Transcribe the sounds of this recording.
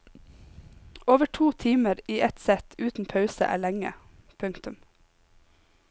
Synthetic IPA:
oːʋəʈʰuːt̪ʰiːməɾiːʔɛt̪sɛt̪ʰʉːt̪n̩pʰɑʉsə̰ʔæ̰ːɭɛŋə̰ | pʰʉŋkt̪ʉm

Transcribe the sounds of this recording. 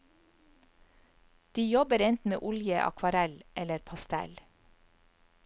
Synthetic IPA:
d̪̥iːjɔbəɾɛnt̪n̩mḛːʔʊljəʔɑ̰kʰʋɑɾɛlʔɛləɾpʰɑst̪ɛ̰l

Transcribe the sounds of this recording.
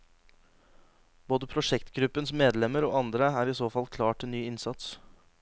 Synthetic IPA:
boːd̪əpʰɾʊʂɛkt̪ɡɾʉpːənsmeːd̪lɛməɾo̰ːɑnd̪ɾəæːɾisoːfɑlkʰlɑːʈʰɪlnyːɪnsɑt̪s

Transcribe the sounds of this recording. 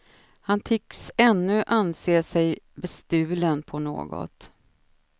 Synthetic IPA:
hant̪ʰɪkːsɛnːɵʔanseːʂɛjbɛst̪ʉ̟ːlənpʰɔno̰ːɡɔ̰t̪

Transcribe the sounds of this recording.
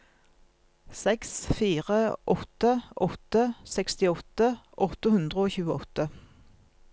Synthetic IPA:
sɛksfiːʁəʔɔt̪əʔɔt̪əsɛkst̪ɪɔt̪əʔɔt̪əhʉnd̪ʁəoːçʉːəɔt̪ə

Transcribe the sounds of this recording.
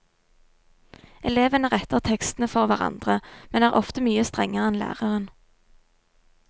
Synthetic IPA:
ʔɛleːʋənəʁɛt̪əʁt̪ʰɛkst̪nəfɔʁʋæʁɑ̰nd̪̥ʁəmɛnæːʁʔɔft̪əmyːəst̪ʁɛŋːəʁɛnlæ̰ːʁəʁən

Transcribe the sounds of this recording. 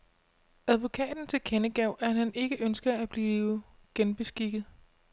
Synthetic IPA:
æð̞ˠʋo̝kʰɛ̰ːd̥n̩t͡sʰe̝lkʰenəɡ̥ɛʊ̰ʔæhæne̝ɡ̥əʔønsɡ̥ɐæb̥liːʊəɡ̥enb̥e̝sɡ̥iɡ̥ð̩ˠ

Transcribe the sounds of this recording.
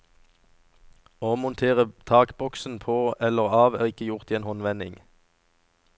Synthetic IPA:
oːmʊnt̪ʰeːʁət̪ʰɑːkbɔksn̩pʰoːɛləʁɑːʋæːʁɪkəjʊʁt̪iːeːnhɔnʋɛnɪ̰ŋ

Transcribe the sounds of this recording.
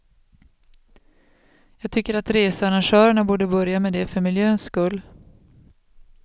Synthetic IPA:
jɑːɡ̚t̪ʰʏkːəɾat̪ɾeːsəaɾanʂœːɾəɳabuːɖəbœɾjamed̪ɛfœɾmɪljøːnskɵlː

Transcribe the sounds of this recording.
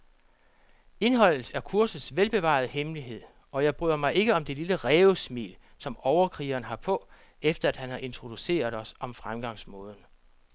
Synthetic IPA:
e̝nɦɒ̽l̰ð̩ˠæɐkʰuɐsð̩ˠsʋelb̥e̝ʋɑ̰̈ð̞̩ˠəhemliɦe̝ð̞̰ˠ | ɒ̽jɑ̈ɪb̥ʁy̰ðˠɐmɑ̈ɪʔe̝ɡ̥əɒ̽md̥e̝liləʁɛːʊsmḭːl | sɒ̽mɒʊɐkʰʁḭːɐnɦɑ̈pʰɔ̽ | efd̥ɐæd̥hænhɑ̈ʔe̝nt͡sʰʁo̝d̥use̝̰ːɐð̩ˠɒ̽sɒ̽mfʁamɡ̥ɑ̈ŋsmɔ̽ːð̞ˠn̩

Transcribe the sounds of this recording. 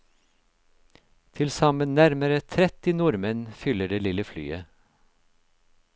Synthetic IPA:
t̪ʰɪlsɑmənnæɾməɾət̪ʰɾɛt̪ɪnʊɾmənfʏləɖeːlɪləfly̰ːə

